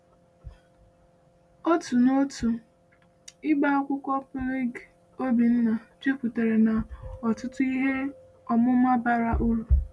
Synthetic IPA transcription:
o˦tu˨no˦tu˨ | ɪ˦ɡ͡ba˦ɔ˦kʷʊ˦kʷɔ˦plɪ˦ɡ | o˦bi˨n̩˦na˨d͡ʒe˦kʷu˨te˨ɾe˨na˨ɔ˨tʊ˦tʊ˦i˦ɦe˦ | ɔ˨mʊ˦ma˦ba˦ɾa˦ʔu˦ɾu˨

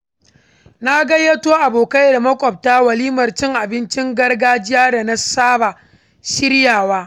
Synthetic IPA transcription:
na˦ɡɐ˦jːɐ˦toː˦ʔa˨boː˨ka˦jda˨mɐ˦kʷʼɔ˨b̚taː˦wɐ˨liː˦mɐ˨rt͡ʃɪ˦ŋʔa˨bɪ˦nt͡ʃɪ˦ŋɡɐ˦rɡaː˦d͡ʒɪ˦jaː˦da˨na˦saː˦ba˨ | ʃɪ˦ɾjaː˨waː˦

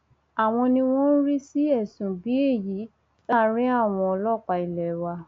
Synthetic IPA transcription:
a˨w̃ɔ̃˧nĩ˧w̃ɔ̃˦n̩˦ɾi˦si˦ɛ˦˨sũ˨bi˨˦e˦˨ji˨˦ | a˦˨ɾ̃ĩ˦a˦˨w̃ɔ̃˧ɔ˧lɔ˦˨k͡pa˨i˨lɛ˨wa˧

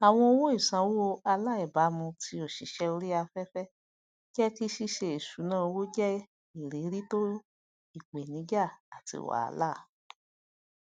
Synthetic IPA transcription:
a˨w̃ɔ̃˧o˧wo˦i˦˨sã˨˧˦wo˦o˧a˧la˦ɛ˨ba˨˦mũ˧ti˧o˨ʃi˨˦ʃɛ˦˧o˧ɾi˦a˧fɛ˦fɛ˦ | d͡ʒɛ˦ki˦ʃi˦ʃe˧e˨su˨˦nãː˦˧wo˦d͡ʒɛ˦ | i˨ɾe˨˦ɾi˦to˦ | i˦˨k͡pe˨nĩ˨˦d͡ʒa˦˨a˨tḭ˧˨wa̰˨a̰˧la˦˨

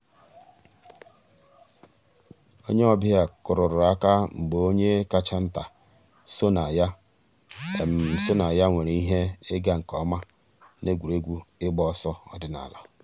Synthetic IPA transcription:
o˦ɲe˦ɔ˦bɪ˦a˨kʊ˨ɾʊ˨ɾʊ˨a˦ka˦ŋ͡m̩˨ɡ͡bo˨o˦ɲe˦ka˦t͡ʃa˦n̩˦ta˨ | so˦na˨ja˦˨ | m̩˨so˦na˨ja˦ŋʷe˨ɾe˨i˦ɦe˦ɪ˦ɡa˦ŋ̩˨kɔ˨˦ma˦ | ne˦ɡʷu˨ɾe˦ɡʷu˦ɪ˦ɡ͡bɔ˦sɔ˦ɔ̰˦dɪ˦na̰˨lɔ˨

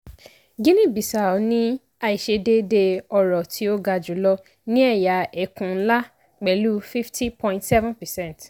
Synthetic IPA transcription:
ɡĩ˦nĩ˦˨bi˨sa˨˦nĩ˦ | a˧i˨ʃe˧de˦de˧ɔ˧ɾɔ˨tʰi˨˦o˦ɡa˧d͡ʒu˨˦lɔ˧ | nĩ˦ɛ˦˨ja˨ɛ˨kũ˨n̩˦la˦ | k͡pɛ˨˦lu˦fi˦fti˦pɔ̃˧ĩ˨ntsɛ˦vɔ̃˦npɛ˨sɛ̃˦˨nt

